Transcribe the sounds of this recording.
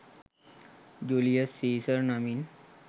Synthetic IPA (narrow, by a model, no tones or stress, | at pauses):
d͡ʑulijəsːesəɾnamiːn